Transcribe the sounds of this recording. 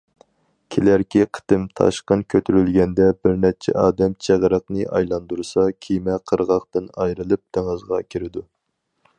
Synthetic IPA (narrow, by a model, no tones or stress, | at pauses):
kʲʰelæɾkʲiqʰə̥t̪ɨmt̪ʰɑ̰ʃqənkʲʰøt̪ʰyɾylɡʲɛnd̪ɛbɪɾnɛt͡ʃʰɛ̰ʔɑːd̪ɛmt͡ʃʰeʁɾəqnɨʔɑjlˠɑnd̪uɾsɑkʲʰimɛqʰəɾʁɑχt̪ɨnɑjɾɨlˠɨp̚t̪ʰeŋɨzʁɑkʲʰiɾɪd̪u